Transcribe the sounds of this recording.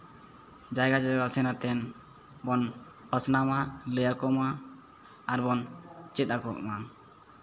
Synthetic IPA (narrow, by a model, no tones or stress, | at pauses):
d͡ʒajɡad͡ʒaɡasɛnat̪ɛn | bɔn | pəsnamaləjakɔmaː | ɾbɔnt͡ʃit̪̚ˀakɔʔma